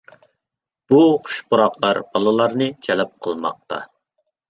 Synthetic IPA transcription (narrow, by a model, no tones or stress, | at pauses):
b̥uχʊ̥ʃbʊɾɑqlˠɑɾb̥ɑlˠɨlˠɑɾnɨt͡ʃʰɛlɛp̚qʰəlˠmɑ̰q̚t̪ʰɑ̰